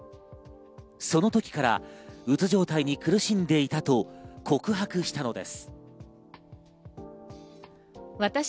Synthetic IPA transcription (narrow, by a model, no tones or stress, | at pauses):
so̞no̞t̪o̞kʲi̥kaɾa̰ɯ̟t͡sɨʑo̞ːt̪aiɲ̟ikɯ̟ɾɯ̟ɕĩnd̪e̞it̪at̪o̞kʰo̞kɯ̟ɦakɯ̟ɕi̥t̪ano̞d̪e̞̰sɨ̥ | βat̪a